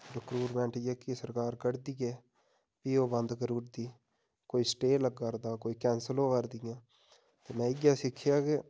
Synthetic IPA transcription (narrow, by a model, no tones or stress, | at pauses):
ɾəkɾuːɾmɛ̃ːɳʈd͡ʒəkːisəɾkaːɾkəɽd̪iːɛː | piːoːbə̃nd̪kəɾuːɾd̪iː | koːiːsʈeːləɡːəɾd̪aːkoːiːkɛːnsəlõːkəɾd̪ɪjãː | t̪eːmɛ̃ːɪɡjaːsɪkʰːɪjaːke